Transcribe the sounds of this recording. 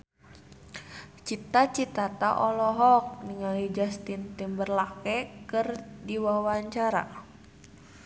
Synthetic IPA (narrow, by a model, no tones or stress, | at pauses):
t͡ʃit̪at͡ʃit̪at̪aʔɔlɔɦɔk̚niŋalid͡ʒast̪int̪imbərlakɛkɨrdiwawaɲt͡ʃaɾa̰